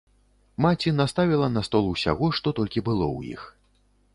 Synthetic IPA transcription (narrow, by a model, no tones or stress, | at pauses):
mat͡sʲinast̪avʲilˠɐnɐst̪ɔlˠuwsʲa̰ɣɔʂt̪ɔt̪ɔlʲkʲibɨlˠɔ̰wjḭx